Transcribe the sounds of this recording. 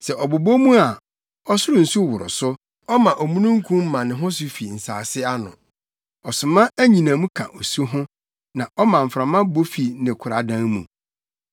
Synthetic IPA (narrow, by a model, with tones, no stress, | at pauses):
sɛ˨ʔɔ˨bo˨bo˦mũ˦a˨ | ɔ˦sʊ˦ɾʊ˨n̩˨su˦wʊ˨ɾʊ̰˨sʊ˦ | ɔ˦mã˨ʔɔ˨mũ˦nũ˦ŋ̩˦kʰũ˦m̩˦mã˨nɪ̃˨ɦʊ̃˦s̬ʊ˦fi˨n̩˨sa̰ː˨sɪ˦a˦nʊ̰̃˨ | ɔ˨sʊ˨mã˦æ˦ɲĩ˨nã˨mũ˦kʰã̰˨ʔo˨sɦʊ̃˦ | nã˨ʔɔ˦mã˨m̩˨fɾã˨mã˦bo˦fi˨nɪ̃˨kʰʊ˨ɾa˨dã˦ŋmṵ̃˨